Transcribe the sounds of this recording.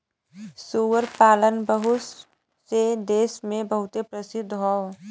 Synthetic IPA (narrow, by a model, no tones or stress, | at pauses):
suːwəɾpaːlənbəɦʊ | sed̪eːsmẽbəɦʊt̪epɾəsɪd̪ʱːɦoː